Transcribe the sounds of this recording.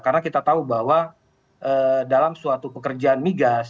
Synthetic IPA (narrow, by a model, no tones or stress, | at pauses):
karənakit̪at̪aubahwa | ʔədalamsuat̪upəkərd͡ʒaːnmiɡas